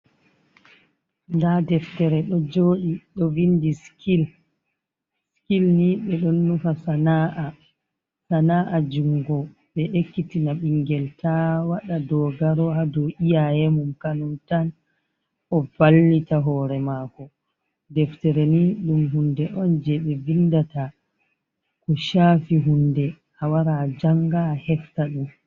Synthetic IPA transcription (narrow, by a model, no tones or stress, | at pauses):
ndadɛftɛɾɛɗɔd͡ʒoːɗiɗɔvindiskil | skilniɓɛɗɔnːufasanaʔa | sanaʔad͡ʒuŋɡɔ | ɓɛʔekːitinaɓiŋɡɛltʰawaɗadɔɡaɾɔhadɔʔijajɛmumkanuntan | ɔvalːitaɦɔːɾɛmakɔ | dɛftɛɾeniɗumɦundɛʔɔnd͡ʒɛɓɛvindata | kɔʃaːfiɦundɛ | hawaɾad͡ʒaŋɡahɛftaɗum